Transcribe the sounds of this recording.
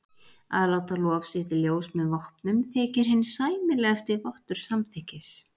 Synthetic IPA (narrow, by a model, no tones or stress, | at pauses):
a̰ðlaːwt̪alɔːvsɪht̪ɪljoːwsmɛðvɔhpnʏmθɛːcɪɾ̥ɦɪnːɪ̥saːjmɪlɛɣast̪ɪvɔht̪ʏɾ̥samθɛhcɪs